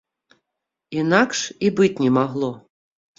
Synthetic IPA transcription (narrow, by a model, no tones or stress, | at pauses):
inakʂibɨt͡sʲnʲɛmaɣlˠɔ